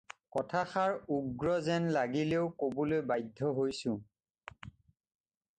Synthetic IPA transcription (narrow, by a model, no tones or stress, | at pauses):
kɔtʰaxaɹuɡɹɔzɛnlaɡileʊkobolojbajdʱːɔɦojsʊ̃